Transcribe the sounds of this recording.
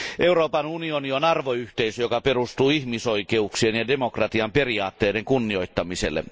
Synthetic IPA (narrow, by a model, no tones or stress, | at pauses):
ʔe̞uroːpɑnunionionɑrʋoyht̪eisøjokɑperust̪uːihmisoikeuksienjɑdemokrɑt̪iɑmpe̞riɑːt̪ːeːdeŋkunːio̞jt̪ːɑmisḛlːḛ